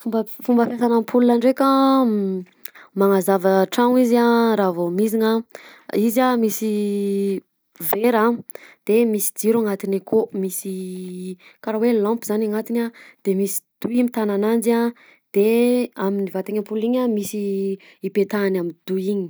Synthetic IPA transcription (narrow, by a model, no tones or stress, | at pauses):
fumbəfumbəfjasanampʰulunaɳɖ͡ʐeka | maŋazavəʈ͡ʂaŋiziaɾavomiziɲaizamisi | veɾad̪̥emisi̥d͡ziɾaŋat̪inakʰomisi | kaɾawelãmpizanaŋat̪inad̪̥emisi̥d̪̥uimit̪ananand͡ʒa | d̪̥eaminivat̪aŋampuliɲamisi | ipet̪anamid̪̥uiɲi̥